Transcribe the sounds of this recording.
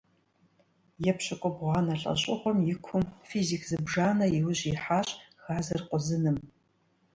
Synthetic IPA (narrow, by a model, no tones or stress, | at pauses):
jɛpɕɐkʷʼɔbʁʷɑːnɐɬʼɐ̰ɕʼɪχʷɔmjɪkʷʰʊmfiːzikʰzɨbʒaːnɐjɪwɕʼiħaːɕʼxaːzɐrqʷʼʊzɨnɨm